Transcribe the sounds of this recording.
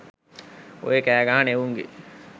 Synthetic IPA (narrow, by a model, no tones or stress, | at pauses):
o̰ekæːɡaaneʋuŋɡḛ